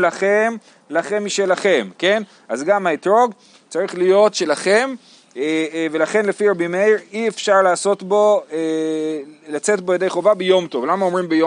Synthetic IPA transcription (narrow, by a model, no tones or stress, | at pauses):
laχem | laχe̞miʃelaχe̞mke̞n | azɡamaitʁo̞ɡ | t͡saʁiχlijo̞tʃe̞laχe̞m | ve̞laχe̞nlefiʁabimeiʁiefʃaʁlaːso̞tbo̞ | lat͡se̞tbojedejχo̞vabejo̞mt̪o̞vlamao̞mʁimbejo